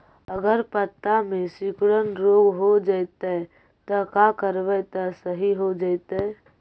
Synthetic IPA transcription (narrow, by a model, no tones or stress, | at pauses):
əɡəɾpət̪ːamẽsikɽənɾoːɡɦod͡ʒaɪt̪e | t̪əkakəɾʋət̪əsəɦiɦod͡ʒaɪt̪e